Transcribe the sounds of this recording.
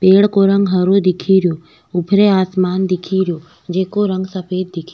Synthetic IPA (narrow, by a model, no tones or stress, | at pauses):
peːɽkoɾə̃ŋɡɦɐɾod̪ɪkʰiɾjoː | ʊpʰɾeaːsmaːnd̪ɪkʰiɾijo | d͡ʒeːkoɾə̃ŋɡsəpʰeːd̪̚d̪ɪkʰi